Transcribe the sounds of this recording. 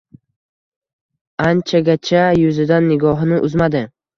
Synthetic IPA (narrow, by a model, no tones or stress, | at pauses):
ant͡ʃʰaɡʲat͡ʃʰajʊzɪd̪anːɪɡɒɦnɪʔʊzmad̪ɪ